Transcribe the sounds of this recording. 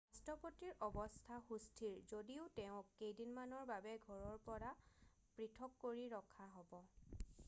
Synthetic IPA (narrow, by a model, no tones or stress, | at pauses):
astɔpotiɹʔɔbɔstʰaxustʰiɹzodiʊtɛʊ̃kːejdinmanɔɹbabɛɡʱɔɹɔɹpɔɹa | pɹitʰɔkːoɹiɹɔkʰaɦɔbɔ